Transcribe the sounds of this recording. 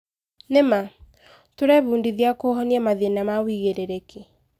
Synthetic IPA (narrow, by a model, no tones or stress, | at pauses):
nema | toɾɛβuːndiðiakoɦɔniamaðenamawiɣeɾeɾekʰe